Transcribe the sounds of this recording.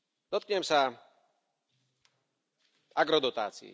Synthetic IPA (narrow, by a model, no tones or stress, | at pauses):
d̪ɔt̪̚kɲɛmsa | aɡɾɔd̪ɔt̪aːt͡sḭḭ